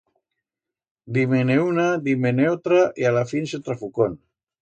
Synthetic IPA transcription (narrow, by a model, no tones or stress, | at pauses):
d̪imeneunad̪imeneot̪ɾaʔialafinset̪ɾafukon